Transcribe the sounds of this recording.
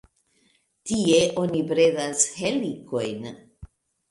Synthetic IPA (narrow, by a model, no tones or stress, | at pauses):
tie̞ʔo̞nipɾe̞dasheliko̞jn